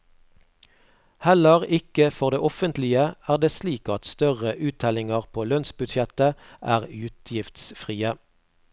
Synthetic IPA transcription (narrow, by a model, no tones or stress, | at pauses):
hɛləʁɪkəfɔʁd̪eːʔɔfənt̪lɪəæːʁd̪eːsliːkɑt̪st̪œʁəʔʉːt̪ʰɛlɪŋəʁpʰoːlœnsbʉd̪ʃɛt̪əʔæ̰ːʁʉːt̪ʰjɪft̪sfʁiːə